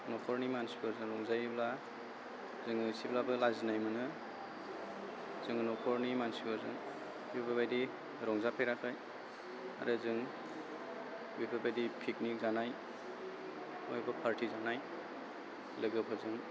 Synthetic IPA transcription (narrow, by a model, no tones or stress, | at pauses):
nɔkʰɔɾnimansiɔzɯŋɾɔŋzajbla | zɯŋsiblabɯlazinajmɯnɯ | zɯŋnɔkʰɔɾnimansiɡɔzɯ̰ŋ | bipʰabʰabajdi | ɾɔŋzapʰeɾakʰaj | a̰ɾɯzɯŋ | bibʰabajdipʰik̚nik̚zanaj | mojbɐpʰaɾtizanaj | lɯɡɯpʰɯzɯŋ